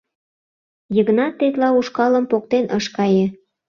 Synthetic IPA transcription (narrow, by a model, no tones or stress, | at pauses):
jəɣnɑt̪ːet̪lɑuʃkɑlə̆mpok̚t̪enʔəʃkɑjĕ